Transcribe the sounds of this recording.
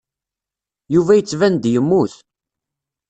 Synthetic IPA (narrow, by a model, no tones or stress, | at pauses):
juvæjət͡sːvænd̪jəmːuθ